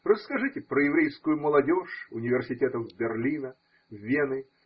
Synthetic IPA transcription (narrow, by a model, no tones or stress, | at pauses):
rəskɐʐɨtʲɪpɾəjɪvɾʲejskʊjʊməlˠɐdʲoʂʊnʲɪvʲɪrsʲɪtʲet̪əvbʲɪrlʲinə | vʲenɨ